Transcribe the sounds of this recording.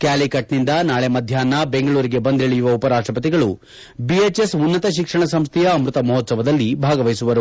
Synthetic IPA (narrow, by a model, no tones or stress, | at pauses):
kaːlikɐʈnind̪ɐnaːɭemɐd̪ʱjaːnːɐbe̞ŋɡɐɭuːɾiɡe̞bɐnd̪ʱeɭijuʋɐupɐɾaːʂʈɾɐpɐt̪iɡɐɭu | biet͡ʃesunːɐt̪ɐʃikʂɐɳɐsɐmst̪ʰɛjɐːmɾut̪ɐmɐɦɔt̪sɐʋɐd̪ɐlːibʱaːɡɐʋɐjsuʋɐɾu